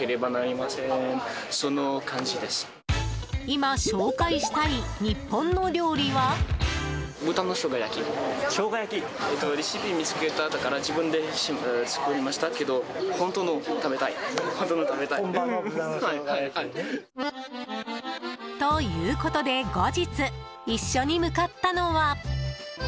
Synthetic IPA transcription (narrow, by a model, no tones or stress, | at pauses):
eɾe̞banaɾʲimasẽnso̞no̞kãɲ̟d͡ʑid̪e̞sɨ̥ | imaɕo̞ːkaiɕi̥t̪aiɲ̟ipːõ̞nːo̞ɾʲo̞ːɾʲiβa | bɯ̟t̪ãnːo̞ɕo̞ːɡajakʲiɕo̞ːɡajakʲi | et̪ːoɾʲiɕibʲimʲit͡sɨ̥ket̪aːt̪okaɾad͡ʑibɯ̟̃nd̪e̞ɕimt͡sɨ̥koɾʲimaɕi̥t̪ake̞d̪o̞hõ̞nt̪oːnot̪abe̞t̪aihont̪oːnot̪abe̞t̪a | ahaai | t̪o̞jɯːko̞t̪o̞d̪e̞ɡo̞d͡ʑit͡sɨ | iɕːo̞ɲ̟imɯ̟kat̪ːano̞βa